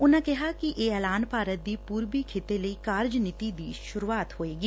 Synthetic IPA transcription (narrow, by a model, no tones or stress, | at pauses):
ʊnãːkɛɦaːkiʔeːɛːlaːnpaːɾət̪̚d̪iːpuːɾbiːkʰɪt̪eləiːkaːɾd͡ʒnɪt̪iːd̪iːʃʊɾuaːt̪ɦoːeːɡiː